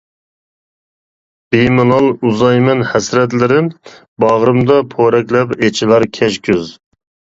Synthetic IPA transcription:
b̥ejmɨlɑlˠuzɑjmɛnhɛsɾɛt̪̬lɪɾɪ | bɑʁɾɨmd̪ɑpʰoɾɛkʲlɛpet͡ʃʰilˠɑɾkʲʰɛʃkʲyz

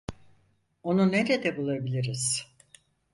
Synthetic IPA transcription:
o̞nuneɾed̪ɛbulˠabilʲiɾiz̥

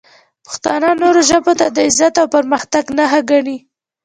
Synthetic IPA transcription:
pə̥xt̪ɑ̰nənoɾoʒəbot̪ad̪əɪzat̪awpaɾməxt̪aɡnaxaɡaɳi

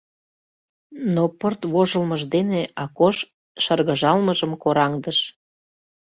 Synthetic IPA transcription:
nopərt̪βoʒəlməʒd̪eneɑkoʃ | ʃərɣəʒɑlməʒəmkoɾɑŋd̪əʃ

